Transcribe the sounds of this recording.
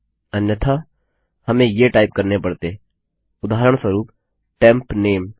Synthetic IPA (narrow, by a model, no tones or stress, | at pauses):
ənjət̪ʰa | hɐmẽjeʈaːɪp̚kɐɾnepɐɽt̪e | ʊd̪aːɾəɽ̃swəɾuːp | ʈɛ̃ːmpneːm